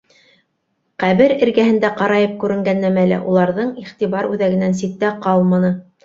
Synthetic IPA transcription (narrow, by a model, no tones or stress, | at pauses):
qæβɘɾɘ̆ɾɡæhɘ̆nd̪æqɑɾɑjɤp̚kʉɾɘ̆ŋɡænːæmælæ̰ʔulˠɑɾðɤɴiχt̪iβɑɾʉðæɡɘ̆næns̬it̪ːæqɑlˠmɑnɤ